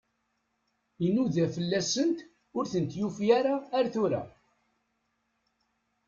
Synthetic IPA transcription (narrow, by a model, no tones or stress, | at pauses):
inuðæfəlːæsənt̪ | ʊɾθənt̪jufjaɾaːɾθuɾæ̰